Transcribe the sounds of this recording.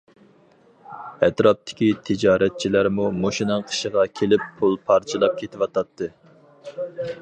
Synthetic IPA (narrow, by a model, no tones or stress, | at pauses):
ɛt̪ɾɑp̚t̪ʰɪ̥kʲit̪ʰɪd͡ʒɑːɾɛt̪̚t͡ʃʰilæɾmumoʃinɨŋqʰə̥ʃəʁɑkʲʰelɪpʰːulˠpʰɑɾt͡ʃʰɨlˠɑp̚kʲʰet̪ʰɪwɑt̪ʰɑt̪ʰːɨ